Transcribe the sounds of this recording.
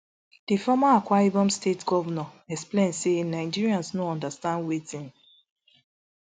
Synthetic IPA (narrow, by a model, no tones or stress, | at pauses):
d̥ifɔmaakwaibɔ̃mstetɡɔvanɔɛksplẽnsenaɪd͡ʒiɾiãnsnoɔ̃ndastãndwetĩn